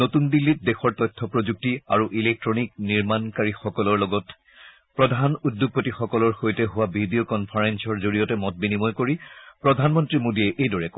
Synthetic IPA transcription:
notundilːit̚dexɔɹtɔjtʰːɔpɹozuk̚tiaɹuʔilek̚tɹɔnikniɹmankaɹixɔkɔlɔɹlɔɡɔt | pɹɔdʱanudjoɡ̚potixɔkɔlɔɹxojtɛɦʊwabʱidiokɔnpʰaɹensɔɹzoɹijɔtɛmɔt̚binimɔjkoɹipɹɔdʱanmɔntɹimodiɛʔejdɔɹɛkɔ

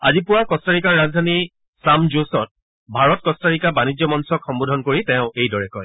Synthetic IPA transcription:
a̰zipʊwakɔstaɹikaɹːazdʱani | samd͡ʒosɔt̚ | bʱaɹɔt̚kɔstaɹikabanid͡ʒjɔmɔnsɔkxɔmbodʱɔnkoɹitɛʊ̃ejdɔɹɛkɔj

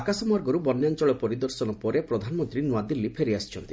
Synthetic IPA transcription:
akasɔmɔɾɡɔɾubɔnːjant͡ʃɔɭɔpɔɾid̪ɔɾsɔnɔpɔɾepɾɔd̪ʱanɔmɔnt̪ɾinuad̪ilːipʰeɾiasi̥t͡ʃʰɔnt̪i

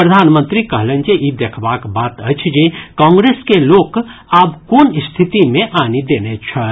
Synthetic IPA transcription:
pɾəd̪ʱaːnmə̃nt̪ɾikəɦlent͡ʃeʔid̪ekʰbaːkbaːt̪ət͡ʃʰd͡ʒekãːŋɡɾeːskeloːkaːbkoːnist̪ʰit̪imẽʔanid̪enet͡ʃʰə

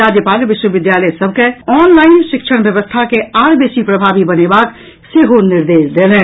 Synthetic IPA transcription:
aːd͡ʒjəpaːlʋɪʃwəʋɪd̪jaːləsɐb̚ʱkeɔːnlaːɪnʃɪkʃʰəɽ̃ʋjəʋəst̪ʰakeaːɾbeːsipɾɐbʱaːʋibɐnebaːk | seɦonɪɾd̪eːʃd̪eːlẽː

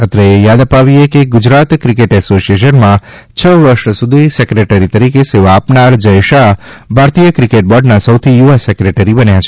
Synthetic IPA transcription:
ət̪ɾəejad̪əpaʋiekeɡʊd͡ʒɾat̪kɾikeʈɛsosieʃ̬ənmã | t͡ʃʰəʋəɾʃsud̪ʱisekɾeʈəɾit̪əɾikeseʋaːpnaɾd͡ʒəjʃabʱaɾt̪ijəkɾikeʈ̚bɔɖnasəwt̪ʰijuʋasɛkɾeʈəɾibənjat͡ʃʰe

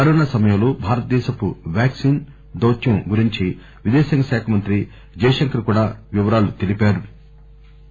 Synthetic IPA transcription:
kɐɾɔːnasɐmɐjɐlubʱaːɾɐt̪ɐd̪ɛːʃɐpuʋjaːksiːn | d̪oːt͡ʃjɐmɡuɾiɲt͡ʃi | ʋid̪ɛːsɐŋkɐʃaːkʰɐmɐnt̪ɾi | d͡ʒɐːjʂɐŋkɐɾkuːɽaːʋiʋɐɾaːlut̪elipaːɾu

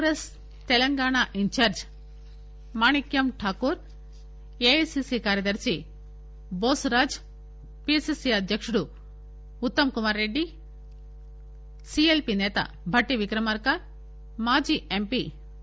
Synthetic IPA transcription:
ɾes | t̪ɛlɐŋɡaːɳaːʔiɲt͡ʃaːɾd͡ʒ | maːɳikjɐmʈʰaːkuːɾ | eːsisikaːɾjɐd̪ɐɾsi | boːsuɾaːd͡ʒ | pisiːsiɐd̪ʱjɐkʂuɽuː | t̪ːɐmkumaːɾːe̞ɖːi | sielpinɛːt̪ɐ̰ | bʱɐʈːiʋikɾɐmɐːɾkɐ | maːd͡ʒiːʔempi

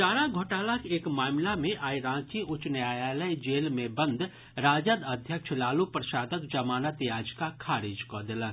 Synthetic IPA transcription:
t͡ʃaːɾaɡʱoːʈaːlakeːkmaːmlamẽʔaːiɾãːt͡ʃiʊt͡ʃnjaːjaːləjd͡ʒeːlmẽbə̃nd̪ʱ | ɾaːd͡ʒəd̪əd̪ʱjəkʃʰlaːlupɾəʃaːd̪əkd͡ʒəmaːnət̪jaːd͡ʒkakʰaːɾed͡ʒkɔd̪ɪlə

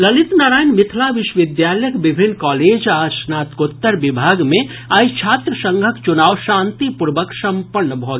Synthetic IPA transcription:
ləlit̪naːɾaːjnmɪt̪ʰlaʋɪʃʋɪd̪jaːljəkbɪbʱɪnːkaːleːd͡ʒaːsnaːt̪kot̪ːəɾbɪbʱaːɡmẽ | ajt͡ʃʰaːt̪ɾəsə̃ŋɡʱəkt͡ʃʊnaːwʃãːnt̪ipuɾʋəksə̃mpəɾɳəbʱɔːɡ

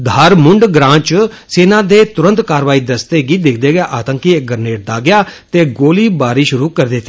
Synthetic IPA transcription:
d̪ʱaːɾmʊɳɖɡɾãːt͡ʃ | seːnãːd̪eːt̪ʊɾə̃nt̪kaːɾʋaːiːd̪əst̪eːɡiːd̪ɪkʰd̪eːɡɪjaːʔaːt̪əŋkiːek̚ɡəɾneːʈ̚d̪aːɡɪjaːt̪eːɡoːliːbaːɾiːʃʊɾuːkəɾd̪eːt̪eː

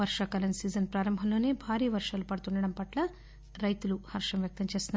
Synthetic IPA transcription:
ʋɐɾʂɐkɐlɐnsiːd͡ʒɐnpɾaːɾɐmbʱɐmlo̞ːne̞ːbʱaːɾiːɐʋɐɾʂaːlupɐɽut̪unɳɖɐɽɐmpɐʈlɐ | ɾɐjt̪uluhɐɾʂɐmʋjɐk̚t̪ɐmt͡ʃe̞ːst̪und̪

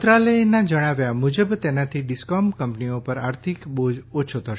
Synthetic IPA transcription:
t̪ɾalenad͡ʒəɽ̃aʋjamud͡ʒəbt̪enat̪ʰiɖɪskɔmkəmpniopəɾaɾt̪ʰikbod͡ʒot͡ʃʰot̪ʰəʃ

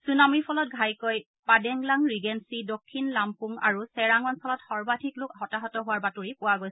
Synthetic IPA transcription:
sunamipʰɔlɔt̚ɡʱajkoj | padɛŋlaŋɹiɡɛnsidokʰːinlampuŋa̰ɹusɛɹaŋɔnsɔlɔtxɔɹbadʰʱiklʊkhɔtaɦɔtɔɦʊwaɹbatuɹipʊwaɡojs

